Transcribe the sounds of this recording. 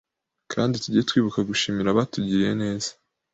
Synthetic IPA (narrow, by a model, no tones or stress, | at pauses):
kʰaːndituɟiːjetwiːβukaɡuʃiːmiɾaβatuɟiije̞ne̞ːzḁ